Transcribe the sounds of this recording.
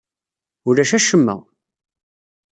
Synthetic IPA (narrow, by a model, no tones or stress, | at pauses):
ʊɾæʃæʃəmːæ̰